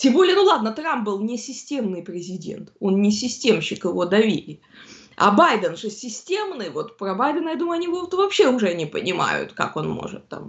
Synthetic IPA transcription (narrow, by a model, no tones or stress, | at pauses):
tʲembo̞lʲɪjənulˠad̪̚nət̪ɾamp̚bɨlˠnʲɪsʲɪsʲtʲe̞mnɨjpɾʲɪzʲɪdʲe̞̰nt̪o̞nnʲɪsʲɪsʲtʲe̞mɕɪkɪvo̞d̪ɐvʲḭlʲɪ | ɐ̰bajd̪ənʐɨsʲɪsʲtʲemnɨjvo̞t̪pɾɐbajd̪ənəjad̪uməjɐnʲivot̪vɐpɕe̞ʊʐɛnʲɪpə̰nʲɪma̰jʊ̰t̪ka̰ko̞̰nmo̰ʐɨ̰t̪ːa̰m